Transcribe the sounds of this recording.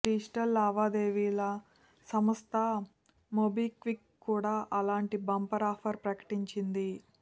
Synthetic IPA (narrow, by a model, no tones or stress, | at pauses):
ʈiːsʈɐlːaːʋaːd̪eːʋiːlɐ | sɐmɐst̪ɐ | mobikʋikːuːɽaːʔɐlaːɳʈibɐmpɐɾaːpʰɐɾpɾɐkɐ̥ʈiɲt͡ʃind̪i